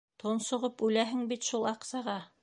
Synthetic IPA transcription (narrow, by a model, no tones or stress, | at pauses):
t̪ʰonsŏʁɤpʉlæɦɘŋbit̪ʃulˠɑqsɑʁɑ